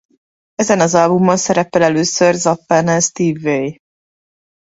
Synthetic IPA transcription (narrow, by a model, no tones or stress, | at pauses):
ɛzɛnɒzɒlbumːɒnsɛɾɛpɛlɛløːsørzɒpːɛnɛst̪iːvːej